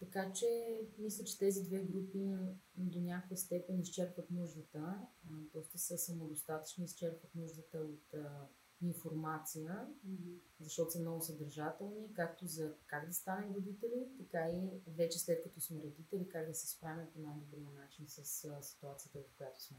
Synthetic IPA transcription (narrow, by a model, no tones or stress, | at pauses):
t̪ɐkat͡ʃɛmislʲət͡ʃɛ̥t̪ɛzid̪vɛɡɾupid̪onʲakojəst̪ɛpɛnist͡ʃɛɾpvət̪nuʒd̪ət̪əd̪ɔst̪əsəsɐmod̪ost̪at̪ə̥t͡ʃnoist͡ʃɛɾpvət̪nuʒd̪ət̪əot̪ː | infoɾmat̪sijə | zɐʃt̪ɔt̪ʊsəmnɔɡʊsɐd̪əɾʒat̪ɛlˠnikak̚t̪ozɐkaɡd̪ɐst̪anɛɾod̪it̪ɛlit̪ɐkaivɛt͡ʃɛslɛt̪̚kɐt̪ɔsmɛɾɐd̪it̪ɛlikaɡd̪ɐsɛ̥spɾavʲət̪ponajɡ̪obɾimənat͡ʃinsɐssi̥t̪uat̪sijət̪əvokojat̪o̥smɛ